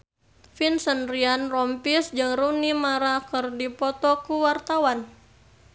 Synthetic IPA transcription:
finsənrianrɔmpisd͡ʒɨŋrunimaɾakɨrdipɔt̪ɔkuwart̪awan

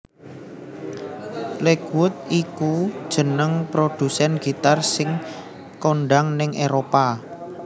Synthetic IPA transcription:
lekwʊt̪̚ikud̥ʒ̥ə̤nəŋpɾod̪̥ṳsɛnɡ̥i̤t̪arsɪŋ | koɳɖaŋnɪŋʔeɾopa

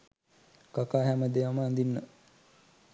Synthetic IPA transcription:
kakaːɦæməd̪eʋaməːnd̪inːə

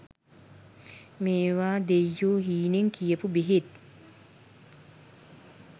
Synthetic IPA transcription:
meːʋaːd̪ejːoːɦiːneŋkʰijəpubiɦet̪̚

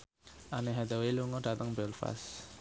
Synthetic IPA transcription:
ʔaneɦad̪ɔweluŋɔɖ̥a̤t̪əŋbɛlfa̰s

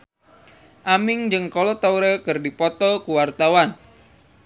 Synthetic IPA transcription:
ʔamɪŋd͡ʒɨŋkɔlɔt̪auɾəkɨrdipɔt̪ɔkuwart̪awan

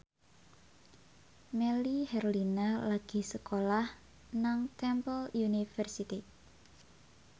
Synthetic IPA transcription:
mɛlihɛɾolinalaɡ̥i̤səkolah | naŋt̪ɛmpəlunifɛrsit̪i

